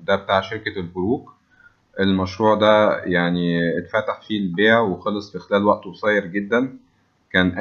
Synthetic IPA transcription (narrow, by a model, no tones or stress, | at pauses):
d̪æbet̪aːʕʃeɾkælboɾuːk | ʔelmæʃɾuːʕd̪æjaʕniʔet̪fæt̪aħfilbeːʔæwexɑlːɑsˤfixelæːlwæʔt̪wesˤɑjːeɾɡed̪ːæn | kæːnʔæ